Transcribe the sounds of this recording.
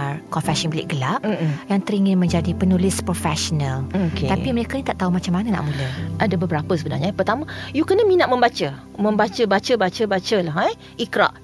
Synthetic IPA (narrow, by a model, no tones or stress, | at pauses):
kɔnfɛsɔnbəlɪ̰ʔɡəlap̩jaŋt̪əɾiŋɪnmə̃ɲd͡ʒadipənulɪspɾofɛsɔnəlokḛt̪aiməɾekanit̪aʔt̪aumat͡ʃamːanana̰ʔmuləʔadabəbəɾapəsəbəna̰rɲapərt̪amãjukənəminaʔ̚mə̃mbat͡ʃə | mə̃mbat͡ʃəbat͡ʃəbat͡ʃəbat͡ʃəlaɦaj | ikɾa̰ʔ